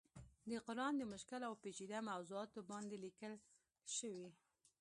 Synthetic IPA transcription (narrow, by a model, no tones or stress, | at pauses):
d̪əqʊɾɑnd̪əmʊʃkɪlawpet͡ʃid̪amawzuɑt̪obɑnd̪elikəl | ʃəwi